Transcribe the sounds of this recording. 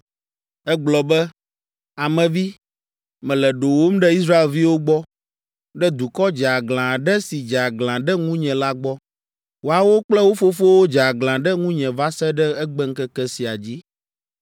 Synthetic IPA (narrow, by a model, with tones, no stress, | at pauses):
ɛ˦ɡ͡blɔ˨bɛ˦ | a˨mɛ̃˨vi˦ | mɛ̃˨lɛ˨ɖo˨wo˦m̩˦ɖɛ˦i˦s̬ɾa˦e˨lvi˦wo˦ɡ͡bɔ˦ | ɖɛ˦d̪u˨kɔ˦d͡ʒa˨ɡlã˨ɖɛ˦si˨d͡ʒa˨ɡlã˨ɖɛ˦ŋũ˦ɲɛ̃˨la˦ɡ͡bɔ˦ | wo˨a˨wo˦k͡plɛ˦wo˦fo˦fo˦wo˦d͡ʒa˨ɡlã˨ɖɛ˦ŋũ˦ɲɛ̃˨va˦sɛ˦ɖɛ˦ɛ˦ɡ͡bɛ˦ŋ̩˦kɛ˦kɛ˦si˨a˨d͡ʑi˦